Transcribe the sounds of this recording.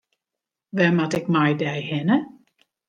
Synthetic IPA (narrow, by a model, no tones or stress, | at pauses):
ʋɛmatɪkmajdɛjhɪnə